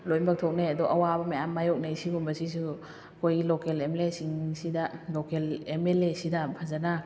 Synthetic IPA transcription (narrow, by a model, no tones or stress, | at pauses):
lojbɐk̚tʰok̚neɐduʔɐwabɐmɐjamːajok̚nejsibunbɐsis̬u | ɐkʰojɡilokelemelesiŋsidɐlokelemelesidɐpʰazɐna